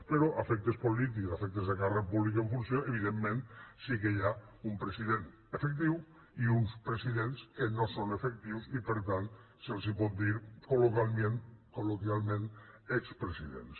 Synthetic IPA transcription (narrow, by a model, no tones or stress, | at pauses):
peɾɔʔafɛk̚t̪espolit̪̬ikzafɛk̚t̪ezðekarepuβlik̬eɱfunsjoeβ̞iðemːẽnsikejaumpɾesiðen | efek̚t̪iw | iunspɾesiðenskenosonefek̚t̪iwsipeɾt̪an | selˠsipɔt̪̚d̪iɾkolokalˠmenkolokjalˠmẽnekspɾesiðḛns